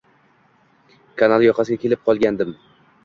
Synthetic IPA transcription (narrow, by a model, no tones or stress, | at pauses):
kʰanalˠjɒqʰɑsɪɡʲakʲʰe̞lɪp̚qʰɒlˠɡʲand̪ɪm